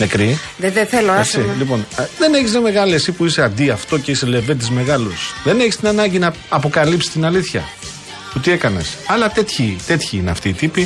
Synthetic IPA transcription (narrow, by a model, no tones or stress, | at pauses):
nekɾi | eðeθeloesilipo̞nðe̞neçizðeme̞ɣɐliesipuise̞ɐnd̪iɐft̪o̞ce̞ise̞le̞ve̞t̪̬izme̞ɣɐlusðe̞ne̞çist̪inɐnɐɲɟinɐ | ɐpo̞kɐlipsi̥st̪inɐliθçɐ̰ | t̪ut̪ie̞kɐne̞̰sɐlɐt̪et̪çit̪e̞t̪çiineɐ̰ft̪iːt̪ipi